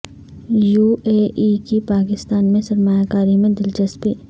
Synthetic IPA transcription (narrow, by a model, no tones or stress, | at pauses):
juːeːʔikipaːkɪst̪aːnmẽsɐɾmaːjakaːɾimẽd̪ɪlt͡ʃəspiː